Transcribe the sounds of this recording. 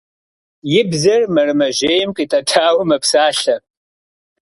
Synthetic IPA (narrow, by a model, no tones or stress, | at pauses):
jɪbzɐrmɐrɨmɐʒeːjɪmkʷʼitʼɐʈ͡ʂʰaːwmɐpsaːɬɐ